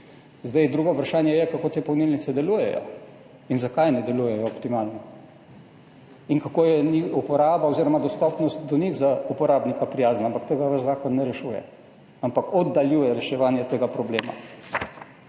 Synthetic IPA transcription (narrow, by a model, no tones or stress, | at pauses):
zd̪ajd̪ɾuːɡɔupɾaʃaːnjɛjɛkakoːt̪eːpɔwnilnit̪sɛd̪ɛluːjɛ̰jɔ̰ | inzakajnɛd̪ɛluːjɛjɔːpt̪imaːlnɔ | inkakoːjɛnixupɔɾaːbaoziɾɔmad̪ɔst̪ɔpnɔst̪d̪ɔnʲiɣzaupɔɾaːbnikapɾijaːznaampakt̪eːɡaʋəʃzaːkɔnːɛɾɛʃuːjɛ̰ | ampakɔd̪ːaljuːjɛɾɛʃɛʋaːnjɛt̪eːɡapɾɔbleːma̰